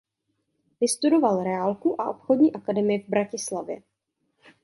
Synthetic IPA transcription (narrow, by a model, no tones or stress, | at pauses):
vɪst̪udo̞valɾɛalkuʔaʔo̞pxodɲiːʔakadɛmɪjɛvbɾacɪslavjɛ̰